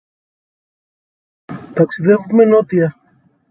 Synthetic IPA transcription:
t̪aksiðevumenot̪ia

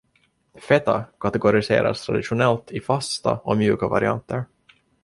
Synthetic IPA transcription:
fɛt̪akʰat̪ɛɡʊɾɪseːɾa̰st̪ʰɾad̪ɪɧʊnɛlt̪ʰɪfast̪a̰ɔmjʉ̟ːkava̰ɾɪa̰nt̪ʰəɾ

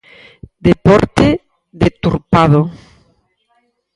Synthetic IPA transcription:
d̪epɔɾt̪e | ðet̪uɾpaðo

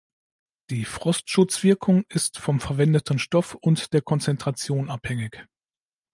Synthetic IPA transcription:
d̥iːfʁ̥ɔstʃʊt͡sv̥ɪɐkʰʊŋɪstfɔmfɛɐvɛndətʰn̩ʃtɔfʊntd̥eːɐkʰɔnt͡sɛntʁ̥at͡sjoːnaphɛŋɪç

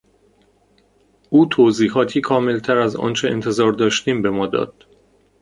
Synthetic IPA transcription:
uːt̪ʰoziːɦɒːt̪ʰiːkʰɒːme̞lt̪ʰæɾæzɒ̰ːnt͡ʃʰe̞ʔḛnt̪ʰe̞zɒːɾd̪ɒːʃt̪iːmbe̞mɒːd̪ɒ̰ːd̪̥

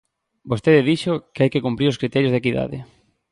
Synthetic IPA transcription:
bost̪eðɪðiʃʊkeajkekumpɾiɾoskɾit̪ɛɾjozðekiða̰ðɪ̰

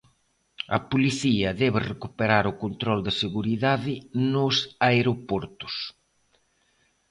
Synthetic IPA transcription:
ɐ̰poliθiɐðɛβɪrekupeɾaɾʊkont̪ɾɔld̪ɐseɣuɾiðaðɪnʊsaeɾopɔɾt̪ʊ̥s

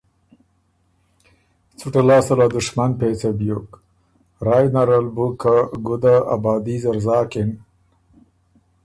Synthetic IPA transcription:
t͡suʈalɑːsɐlad̪ʊʂmanpet͡sabjuk | ɾajnaɾalbukaɡʊd̪aa̰bɑːd̪izaɾzɑːkɪn

